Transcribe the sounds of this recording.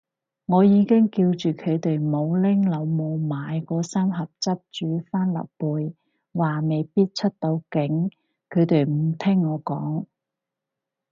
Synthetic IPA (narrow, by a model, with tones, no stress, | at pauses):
ŋɔː˨˧jiː˨˧kɪ˥ŋkiː˧wt͡ʃyː˨kʰɵ˨˧ɥt̪e˨jmo˨˧wlɪ˥ŋlɐ˨˧wmo˨˧wmaː˨˧jkɔː˧saː˥mɦɐ˨p̚t͡sɐ˥p̚t͡ʃyː˨˥faː˥nlɐ̰˨p̚puː˨˧j | waː˨˩me˨jpiː˥t̚t͡ʃʰɵ˥t̚t̪o˨˧wkɪ˨˥ŋ | kʰɵ˨˧ɥt̪e˨˩jm̩˨˩t̪ʰɪ˥ŋːɔː˨˧kɔː˨˥ŋ